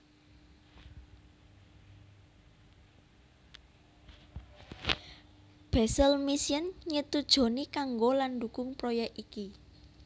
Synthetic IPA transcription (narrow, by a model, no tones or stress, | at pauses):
b̥ɛsəlmisiənɲət̪ud̥ʒ̥o̤nikaŋɡolandukʊŋpɾojɛkiki